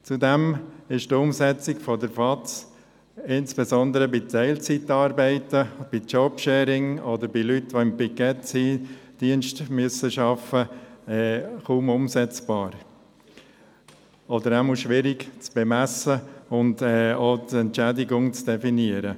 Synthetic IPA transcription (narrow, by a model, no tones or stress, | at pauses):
t͡sudɛmɪʃtʊmsɛt͡sɪkfɔdəɾfɑtt͡s | ɪnsb̥esɔnd̪əɾəbɪtʰɛɪlt͡sitːɑːɾbɛɪtəb̥it͡ʃɔbʃɛːɾɪŋɔd̪əɾbɪlytʋoɪmpɪkɛtsid̥iənʃtmyəsəʃɑfəɛːχuːmʊmsɛt͡sb̥ɑːɾ | ɔdəɾɛmoʃʋɪɾɪɡt͡sb̥emæsəʊndɛːoːtɛntt͡ʃædɪɡʊŋt͡sd̥ɛfiniəɾə